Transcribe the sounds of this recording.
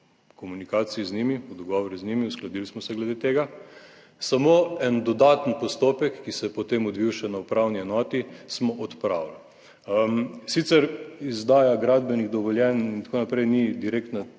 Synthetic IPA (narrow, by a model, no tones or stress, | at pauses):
kɔmunikaːt̪siiznimiɔd̪ɔɡɔʋɔɾiznimiusklad̪ilsmɔsɛɡlɛd̪et̪eːɡa | samoːɛnd̪ɔd̪aːt̪ənpɔst̪opɛkːisɛjɛpɔt̪eːmɔd̪ʋiwʃɛnaupɾawniɛnɔːt̪ismɔʔɔt̪pɾawl | sit̪sɛɾizd̪aːjaɡɾad̪bɛniɣd̪ɔʋɔljɛnint̪akoːnapɾɛjnid̪iɾek̚t̪na